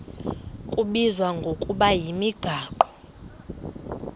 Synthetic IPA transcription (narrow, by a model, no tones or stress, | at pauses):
kʼuɓizwaŋɡʱokʼuɓajimiɡ̥ʱaːǃɔ